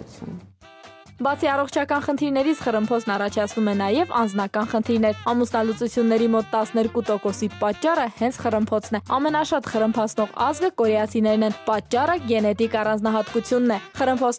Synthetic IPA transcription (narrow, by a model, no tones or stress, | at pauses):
bɑt͡sʰiɑrɔχt͡ʃʰɑkɑnχənt̪ʰiɾnɛɾit͡sʰχərəmpʰɔt͡sʰnɑrɑt͡ʃʰɑt͡sʰnumɛnɑjɛvɑ̰nd͡znɑkɑnχənt̪ʰiɾnɛɾɑmusnɑlut͡sut͡sʰjunːɛɾimɔt̪ːɑsnɛɾkut̪ɔkɔsipɑt͡ʃːɑrəhɛnt͡sʰχərəmpʰɔt͡sʰnɛɑmɛnɑʃɑt̪χərəmpʰɑt͡sʰnɔʁɑzɡəkɔɾjɑt͡sʰinɛɾnɛnpɑt͡ʃːɑrəɡɛnɛt̪ikɑrɑnd͡znɑɦɑt̪kut͡sʰjunːɛχərəmpʰɔt͡sʰ